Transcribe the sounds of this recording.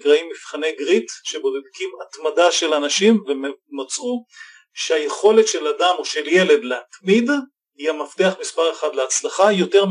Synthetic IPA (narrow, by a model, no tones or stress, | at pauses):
kʁaimːifχane̞jɡʁitʃebo̞ded̪kimat̪madaʃe̞lanaʃimvemat͡su | ʃeaje̞χo̞letʃe̞ladamo̞ʃe̞lje̞le̞dleatmid | iamaft̪eaχmispaʁe̞χad̪leat͡slaχajo̞te̞ʁm